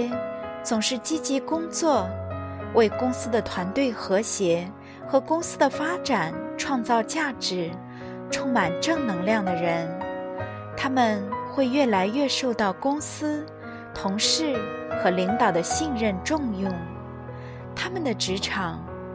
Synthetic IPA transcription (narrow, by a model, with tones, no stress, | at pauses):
t͡sʊ˨˩ŋʂɻ̩˥˩t͡ɕi˥t͡ɕi˧˥kʊ˥ŋt͡swɔ˥˩ | wʔe˥˩ɪkʊ˥ŋsɹ̩˥d̪ə˨t̪ʰwa˧˥nt̪we˥˩ɪxɤ˧˥ɕjɛ˧˥ | xɤ˧˥kʊ˥ŋsɹ̩˥d̪ə˨fa˥ʈ͡ʂa˨˩˦nʈ͡ʂʰwɑ˥˧ŋt͡sɑ˥˧ʊt͡ɕja˥˩ʈ͡ʂɻ̩˧˥ | ʈ͡ʂʰʊ˥ŋma˨˩nʈ͡ʂɤ˥˩ŋnɤ˧˥ŋljɑ˥˩ŋd̪ə˩ɻə˧˥n | t̪ʰa˥mə˨nxwe˥˧ɪɥɛ˥˩la˧˥ɪɥɛ˥˧ʂo˥˧ʊt̪ɑ˥˩ʊkʊ˥ŋsɹ̩˥ | t̪ʰʊ˧˥ŋʂɻ̩˥˩xɤ˧˥li˧˥ŋt̪ɑ˨˩ʊd̪ə˦ɕi˥˧nɻə˥˧nʈ͡ʂʊ˥˧ŋjʊ˥˩ŋ | t̪ʰa˥mə˨nd̪ə˩ʈ͡ʂɻ̩˧˥ʈ͡ʂʰɑ˨˩˦ŋ